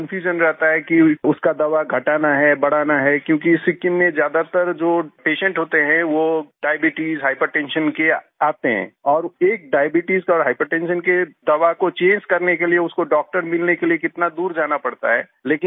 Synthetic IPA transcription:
kɐ̃nfʰjuːd͡ʒənɾɛɦt̪aɦɛkiʊskad̪ɐʋaɡʱɐʈaːnaɦɛːbɐɽ̤aːnaɦɛkjõːkisɪkːɪnmẽzjaːd̪at̪əɾd͡ʒoːpeːʃə̃ɳʈɦoːt̪eɦɛ̃ʋoɖaːɪbɪʈiːzɦaːɪpəɾʈɛ̃ːnʃənke | aːt̪eɦɛ̰̃ːɔːɾeːk̚ɖaːjbɪʈizkɔːɾɦaːɪpəɾʈɛ̃ːnʃənked̪ɐʋakot͡ʃẽːɲd͡ʒkɐɾnekelieʊskoɖɔːk̚ʈəɾmɪlnekeliekɪt̪nad̪uːɾd͡ʒaːnapɐɽt̪a̰ɦɛ̰ː | leːkɪ̃n

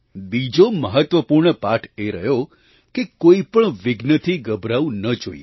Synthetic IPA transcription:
bid͡ʒoməɦət̪ʋəpuɾɳəpaʈʰeɾəɦjo | kekoipəɳʋɪɡnət̪ʰiɡəbɾaũnəd͡ʒoie

